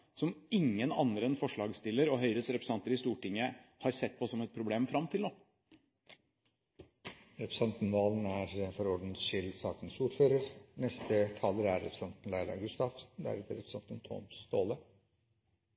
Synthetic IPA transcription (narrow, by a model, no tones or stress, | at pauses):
sɔmɪŋːənɑ̰nd̪ɾəɛnfɔʂɭɑːɡst̪ɪlːəɾɔɦœʏɾəsɾɛpɾəsɑnt̪əɾɪst̪uːʈɪŋːəhɑɾsɛt̪̚ːpʰɔsɔmɛt̪̚pʰɾʊbleːmfɾɑmt̪ʰɪlnoː | ɾɛpɾəsɑnt̪n̩ʋɑːlənæɾfɔɾɔɖn̩ʃɪlsɑːk̪nsuːʈføːɾəɾnɛst̪ət̪ʰɑːləɾæɾːɛpʰɾsɑnt̪n̩læɪlɑ̰ɡʉst̪ɑfd̪æ̰ɾɛt̪əɾɛpɾəsɑnt̪ənt̪ʰɔ̰mst̪oːlə